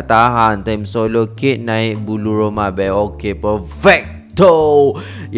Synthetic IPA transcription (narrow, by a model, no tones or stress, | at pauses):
t̪aɦant̪amsoloket̪̚nãɪʔ̚buluɹomabɛokepəfɛk̚t̪o | j